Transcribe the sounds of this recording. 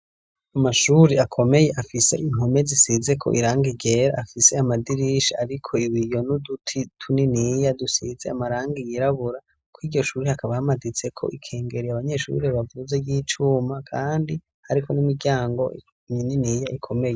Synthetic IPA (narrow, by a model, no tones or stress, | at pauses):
amaʃuːɾiakʰo̞me̞je̞ʔafise̞̰ʔiŋ̥ɦome̞zisize̞kʰo̞̰ʔḭɾaːŋɡiɡɟe̞ɾaafise̞amadiɾiʃaaɾikʰo̞iβijo̞nudutʰitʰuninijadusize̞amaɾaːŋɡijiɾaβuɾa | kwiːɟɟo̞ʃuːɾihakaβahamadit͡se̞kʰo̞̰ʔikʰe̞ːŋɡe̞ɾiaβaɲe̞ʃṵɾiβavuzejiːt͡ʃuːmakʰaːndi | haɾikʰonimiɡaːŋɡo̞i | ɲininijaʔikʰo̞me̞je